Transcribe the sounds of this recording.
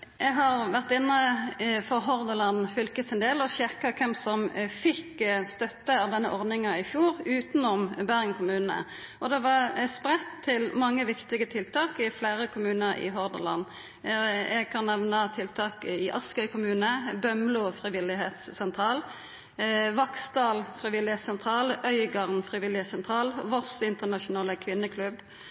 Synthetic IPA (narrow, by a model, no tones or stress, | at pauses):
jʔɛɡɦɑʁʋæʁt̪ɪnːəfɔʁɦɔʁd̪əlɑnfʏlkəsɛnd̪eːlɔɕɪʁkɑkʰɛmsɔmfɪkːst̪œt̪ːəɑʋd̪ɛnːəʔɔʁd̪nɪŋɑɪfjuːʁʉːt̪nɔmbæʁəŋkʰʊmʉːnnə̰ | ʔɔd̪ɛʋɑspʁɛt̪ʰːɪlmɑŋːəʋɪkt̪ɪɡət̪ʰɪlt̪ʰɑːkɪflæːɾəkʰʊmʉːnəɾɪ̰ɦɔʁd̪əlɑ̰n | ɛɡ̚kʰɑnːɛʋnɑt̪ʰɪlt̪ʰɑːkɪʔɑskœʏkʰʊmʉːnəbœmlʊfɾɪʋɪlɪɦeːt̪ssɛnt̪ʰɾɑːl | ʋɑksd̪ɑːlfʁɪʋɪlɪheːt̪sɛnt̪ʰɾɑːlœʏɡɑʁnfʁɪʋɪlɪɛːt̪sɛnt̪ʰʁɑːlʋɔʁsɪnt̪ənɑʃʊnɑːləkʰʋɪnːəkʰlʉb